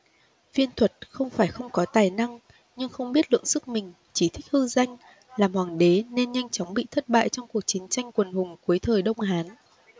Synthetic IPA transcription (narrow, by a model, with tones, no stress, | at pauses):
vi˧ənt̪ʰwə˨˩t̚xə˧wŋ͡mfaː˧˩jxə˧wŋ͡mkɔ˨˦t̪aː˨˩jna˧ŋ | ɲɨ˧ŋxə˧wŋ͡mɓi˦˥ət̚lɨ̰˧˨əŋsɨ˦˥k̚mï˨˩ŋ̟ | t͡ɕi˧˩t̪ʰï˦˥k̟̚hɨ˧za˧jŋ̟ | laː˨˩mhwaː˨˩ŋɗe˨˦ne˧nɲa˧jŋ̟t͡ɕɔ˨˦wŋ͡mɓḭ˧˨t̪ʰə˦˥t̚ɓa̰ː˧˨jt͡ɕɔ˧wŋ͡mku˨˩ək̚t͡ɕï˨˦ŋt͡ɕa˧jŋ̟kwə˨˩nhʊ˨˩ŋ͡mku˨˦əjt̪ʰəː˨˩jɗə˧wŋ͡mɦaː˨˦n